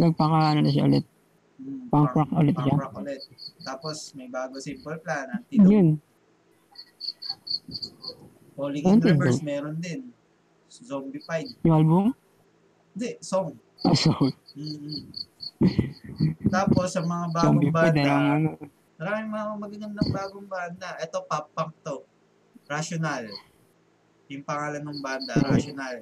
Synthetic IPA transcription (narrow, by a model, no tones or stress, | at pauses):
nɐɡ̚pɐkanɐnɐʃ̬aʔʊlɛt̪̚ | paŋpɹak̚ʊlɛt̪ʃaakolɛt̪̚ːaːposmɐjbaːɡosɪmbɐlplaːnɐt̪ɪjʊn | ʔoːlionɪd̪mɛːɾond̪ɪn | zombipajd̪̚jʊŋʔalbʊm | ɪnd̪ɛʔsoŋ | som̩ː | t̪aːpo̞sɐmɐŋabaːɡoibaːnlŋɐno | mɐɾaːmɪŋmɐŋamɐɡɐnomnɐŋbaːɡoŋbaːnd̪ɐʔɛt̪o̞papːɐŋt̪o | ɾaʃonal | jʊŋpɐŋaːlɐnʊŋband̪ɐɾaʃonal